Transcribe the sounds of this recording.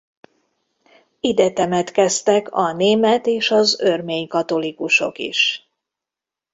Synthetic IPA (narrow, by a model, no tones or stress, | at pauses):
id̪ɛt̪ɛmɛt̪kɛst̪ɛkʰɒneːmɛt̪eːʃɒzø̞rmeːɲkɒt̪o̞likuʃo̞̰kḭʃ